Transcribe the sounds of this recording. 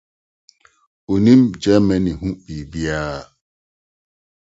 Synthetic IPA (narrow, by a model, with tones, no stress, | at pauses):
o˨nĩ˦m̩d͡ʒɛ˦mɛ˦ni˨ɦũ˦k͡pi˨bi˦a˦˨